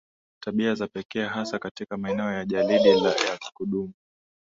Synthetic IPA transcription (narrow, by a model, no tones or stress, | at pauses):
taɓiazapɛkɛɦasakatikamaɛnɛɔjaʄaliɗilajai̥kuɗumu